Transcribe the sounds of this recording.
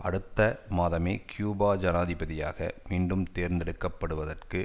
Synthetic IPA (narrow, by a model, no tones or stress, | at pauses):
ʔɐɽɯt̪ːɐmaːðɐmeːkjuːbaːd͡ʒɐnaːðɪbɐðɪja̰ːɣɐ̰miːɳɖɯmt̪eːɾnd̪ɛɽɯkːɐpːɐɽɯʋɐðɐrkɯ